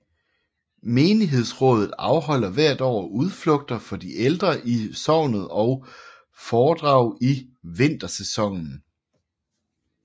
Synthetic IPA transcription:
meːniɦe̝ð̞̰ˠsʁɔ̽ːð̞ˠð̩ˠɑ̈ʊɦɒ̽l̰ɐʋæɐ̰d̥ɒ̰ːuð̞ˠflɔ̽ɡ̥̚d̥ɐfɒ̽d̥iʔeld̥ʁɐʔisɒʊ̰nð̩ˠɒ̽ʊ | fɒːd̥ʁɑ̈ʊ̰iʋe̝n̰d̥ɐsesɒ̽ŋ̰n̩

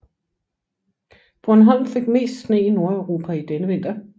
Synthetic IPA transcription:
b̥ʁɔnɦɑlmfeɡ̥me̝̰ːsd̥sne̝̰ːino̝ɐəʊʁo̝ːpʰæid̥enəʋe̝n̰d̥ɐ

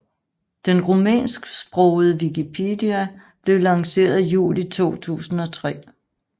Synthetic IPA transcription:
d̥enʁomɛ̰ːnsɡ̥sb̥ʁɔʊð̩ˠəʋikipʰe̝diæ | b̥le̝ʊlɑ̈ŋse̝̰ːɐðˠjṵːlit͡sʰo̝̰ːt͡sʰṵːsn̩ɒ̽t͡sʰʁɛ̰ː

